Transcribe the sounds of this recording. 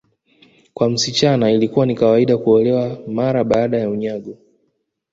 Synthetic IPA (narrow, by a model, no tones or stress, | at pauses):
kwam̩sit͡ʃanailikuwanikawaiɗakuɔlɛwamaɾaɓaːɗajauɲaɠu